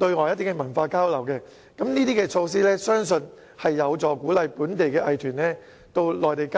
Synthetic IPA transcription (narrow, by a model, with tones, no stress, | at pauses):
t̪ɵ˧ɥŋɔː˨˧˨jɐ˥t̪ːɪ˥kːɛ˧mɐ˨˩nfaː˧kaː˥wlɐ˨˩wkɛː˧ | kɐ˨˦mniː˥t̪̬iː˥kɛː˧t͡sʰo˧ws̬iː˥lɛː˥sœː˥ŋsɵ˧n | hɐ˨jːɐ˨˧wt͡sɔː˨kuː˨˥lɐ˨˧jpuː˨˥nt̪e˨jkɛː˧ʔɐ˧jt̪ʰyː˨˩nlɛː˥ | t̪o˧wlɔː˨jt̪e˨˩jka